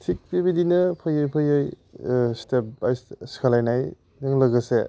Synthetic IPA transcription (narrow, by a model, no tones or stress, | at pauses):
tʰik̚pibidinɯpʰɯjɯjpʰɯjɯj | step̚bajskʰalajnaj | jɯŋlɐɡɯsḛ